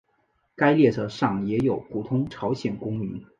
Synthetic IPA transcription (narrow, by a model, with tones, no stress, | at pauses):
ka˥ɪljɛ˥˩ʈ͡ʂɤ˧˥ʂɑ˥˩ŋjɛ˧˥jo˨˩ʊpʰu˨˩t̪ʰʊ˥ŋʈ͡ʂʰɑ˧˥ʊɕjɛ˨˩nkʊ˥ŋmy˧˥n